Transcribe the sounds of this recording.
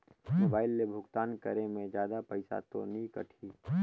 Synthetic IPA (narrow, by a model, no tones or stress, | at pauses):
moːbaːɪlːebʱʊɡt̪aːnkə̰ɾemẽd͡ʒjaːd̪apəɪsa̰t̪o̰nĩkə̰ʈʰiː